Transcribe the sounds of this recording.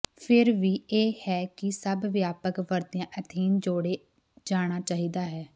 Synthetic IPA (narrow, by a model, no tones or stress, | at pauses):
pʰɪɾʋiːeːhɛːkɪsəbʋjaːpəkʋəɾd̪jãːʔət̪ʰiːnd͡ʒoːɽeː | d͡ʒaːɽ̃aːt͡ʃaːɦiːd̪aːɦɛː